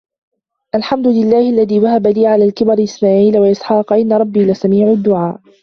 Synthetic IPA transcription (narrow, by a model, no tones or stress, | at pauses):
ʔalħamd̪ʊlɪlːaːhɪʔalːaðiːwahabaliːʕalaːlkɪbɑɾˤʔɪsmaːʕiːlawaʔɪsħɑːqʔɪnːaɾˤɑbːiːlɪsamiːʕʊd̪ːʊʕaːʔ